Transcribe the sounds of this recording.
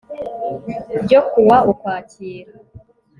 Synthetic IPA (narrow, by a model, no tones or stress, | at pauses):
ɟokuwaukwaːciːɾa